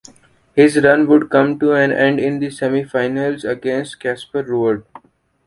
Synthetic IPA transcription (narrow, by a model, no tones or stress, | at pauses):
hɪzɾʌ̃nʋʊɖkʌ̃mʈuæ̃nɛ̃ɳɖɪ̃nd̪isɛmifaɪnəlzəɡẽːnsʈkæːspəɾːuːəɾɖ̚